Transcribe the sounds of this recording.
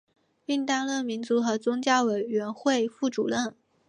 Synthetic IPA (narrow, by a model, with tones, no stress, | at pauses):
i˥˧ŋt̪a˥˧lə˥˩mi˧˥nt͡su˧˥xɤ˧˥t͡sʊ˥ŋt͡ɕja˥ʊwe˨˩ɪɥɛ˧˥nxwe˥˧ɪfu˥˩ʈ͡ʂu˨˩ɻə˥˩n